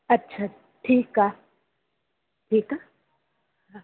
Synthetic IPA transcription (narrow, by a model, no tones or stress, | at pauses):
ɐtːt͡ʃʰa | ʈʰikːa | ʈʰika